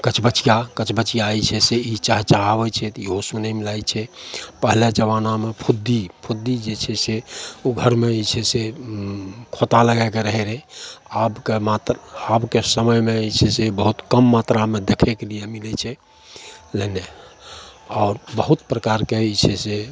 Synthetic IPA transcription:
kət͡ʃʰbət͡ʃijakət͡ʃʰbət͡ʃijajt͡ʃʰɛseit͡ʃaɦt͡ʃaɦabɛt͡ʃʰɛt̪iɦosunɛmilajt͡ʃʰɛpəɦiled͡ʒəʋanamepʰud̪ipʰud̪ːid͡ʒet͡ʃʰɛseoɡʱəɾmet͡ʃʰɛse | kʰot̪aləɡakeɾəɦɛɾɛabkemat̪ɾabkesəməjmet͡ʃʰɛsebəɦut̪kəmːat̪ɾamed̪ekʰɛkelijemilɛt͡ʃʰɛ | lene | ɔʊɾbəɦut̪pɾəkaɾket͡ʃʰɛse

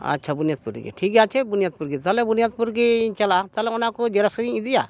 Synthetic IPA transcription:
ɐ̰tːt͡ʃʰabunijat̪̚puɾḭɡḭʈʰikjat͡ʃʰebunijat̪̚puɾɡit̪alebunijat̪̚puɾɡit͡ʃɐlat̪alɛʊnakud͡ʒelasĩĩd̪ija

